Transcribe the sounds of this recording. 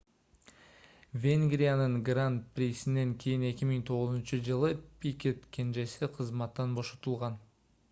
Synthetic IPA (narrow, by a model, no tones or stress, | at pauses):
vʲeŋɡrʲijanəɴɡrant̪̚pɾʲijsɪnːe̞ŋkʲʰe̞jɪne̞kʲɪmɪŋt̪ʰo̞ʁəzənʃəʒəlˠəpʲʰikʲe̞t̪kʲʰe̞nʒe̞sɪqʰəzmɑt̪ːɑnbo̞ʃɑ̥t̪əlˠʁɑn